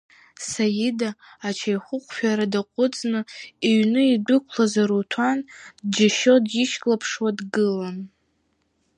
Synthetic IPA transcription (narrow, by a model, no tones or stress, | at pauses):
sajidaː | t͡ʃʰajχʷʊqʷʰʼfᶣaɾadaqʷʼʊt͡sʼnɨiɥnɨidʊkʷʰlazaɾutʰandd͡ʒaʃodjiʃkʼlapʰʂwadɡɨlan